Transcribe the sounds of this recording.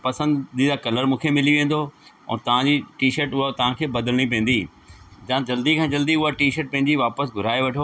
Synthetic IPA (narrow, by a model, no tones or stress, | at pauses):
pɐsə̃nd̪d̪id̪akɐləɾmũːkʰemɪliʋẽːn̆d̪o | ɛ̰ːt̪ɐʋ̤ãd͡ʑiːʈiːʃəɾʈʊɦat̪ɐʋ̤ãkʰeːbɐd̪əlɽ̃ipɛ̃ːn̆d̪iː | d͡ʑãːd͡ʑɐld̪ikʰãːd͡ʑɐld̪iʊɦaʈiːʃəʈ̚pɐ̃ɦɪɲ̆d͡ʑiʋaːpəsɡʱʊɾaːeʋɐʈʰoː